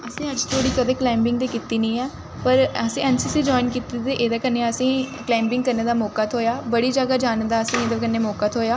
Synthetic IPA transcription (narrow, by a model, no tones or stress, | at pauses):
əsĩːəd͡ʒt̪ʰoːɽiːkəd̪eːklaːɪmbɪ̃ŋɡd̪eːkɪt̪iːnĩːɛː | pəɾəsĩːɛːnsiːsiːd͡ʒɔːɪnkit̪it̪eːʔeːd̪aːkənːeːəsĩːklaːmbɪ̃ŋɡkəɾneːd̪aːmɔːkaːt̪ʰoːjaːbəɽiːd͡ʒəɡaːd͡ʒaːnd̪aːəsĩːeːd̪aːkənːeːmɔːkaːt̪ʰɦoːjaː